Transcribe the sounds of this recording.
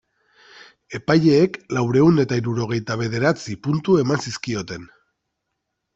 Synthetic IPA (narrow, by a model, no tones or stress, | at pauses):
e̞paje̞ːklawɾe̞une̞t̪aiɾuɾo̞ɣ̞e̞jt̪aβ̞e̞ð̞e̞ɾat͡sipunt̪ue̞mansiskio̞t̪e̞n